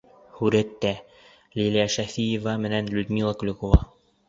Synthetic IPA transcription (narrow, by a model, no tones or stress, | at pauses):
huɾæt̪ːæ | lʲilʲijæʃæfijevɑmɘ̆nænlʲud̪mʲilˠɑklɵ̆kovɑ